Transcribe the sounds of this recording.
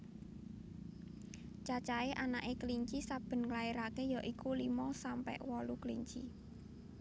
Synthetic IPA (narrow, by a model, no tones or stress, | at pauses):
t͡ʃat͡ʃaeʔanaʔekəliɲt͡ʃisab̥ə̤nŋlaiɾakejɔʔikulimɔsampɛ̰ʔwɔluklḭɲt͡ʃi